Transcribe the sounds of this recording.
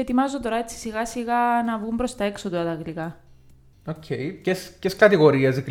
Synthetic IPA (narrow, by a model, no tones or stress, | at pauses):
et̪imɐzot̪o̞ɾɐet͡sːi̥siɣɐsiɣɐnɐvɣumbɾo̞st̪ɐe̞ksot̪uɐt̪ɐɣlikɐ | ocʰḛjcesceskɐt̪iɣo̞ɾiɐzik